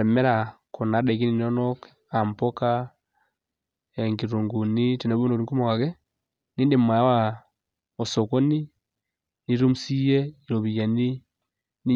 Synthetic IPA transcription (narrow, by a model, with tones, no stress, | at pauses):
ɾe˨me˦ɾakʰo˨na˨˦de˨ki˦ni˨no˦nok | ampoka | eŋɡi˨ɾuŋɡu˨nitɛne˨βu˦ndo˨ɾi˦ŋku˦mowa˨ɣɛ | niː˦ndemwa˨˦wa | osoko˦ni˦ | ni˦ɾo˦musi˦jɛiɾo˨βi˨ja˨ni˦ | ni˦